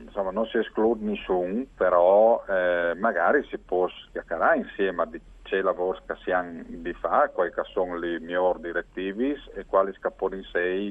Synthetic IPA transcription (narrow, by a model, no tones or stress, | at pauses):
nsomːanonsiesklud̪nisuŋpeɾɔɛmaɡaɾisipɔskjakaɾainsjemad̪i | t͡ʃelavoɾskasjaŋd̪ifakwajkasoŋlimjoɾd̪iɾek̚t̪ivisekwaliskapɔninsɛj